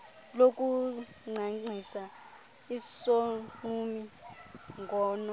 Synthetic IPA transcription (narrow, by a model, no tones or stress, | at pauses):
lokʼu | ŋ͡ǀʱaŋ͡ǀisa | isoŋ͡ǃumi | ŋɡʱɔːnɔ